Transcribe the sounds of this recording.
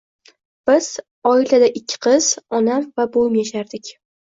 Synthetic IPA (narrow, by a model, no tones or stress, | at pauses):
b̥ɪz̥ | ɒɪlad̪aʔɪkʲʰːɪ̥qʰɨz̥ɒnamvabojɪmjaʃaɾd̪ɪkʲ